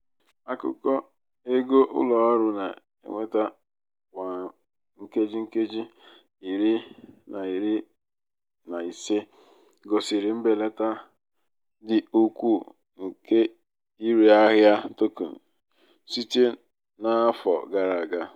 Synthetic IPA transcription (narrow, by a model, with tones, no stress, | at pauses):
a˦kʊ̰˦kɔ˦ | e˦ɡo˦ʔʊ̰˦lɔ˨ɔ˦ɾʊ˦na˨ | ḛ˦ŋʷe˦ta˦ | kʷa˨ | ŋ̩˦ke˦d͡ʒi˦ŋ̩˦ke˦d͡ʒi˦ | i˨ɾi˦na˨i˨ɾi˦ | na˨i˨se˦ | ɡɔ˨sɪ˨ɾɪ˨m̩˦be˨le˦ta˦ | dɪ˨u˦kʷu˦˨ | ŋ̩˨ke˦ | i˦ɾi˨a˦ɦja˦to˦ko̰˨n̩˨ | si˦te˦ | na˦fɔ˨ɡa˨ɾa˨ɡa˦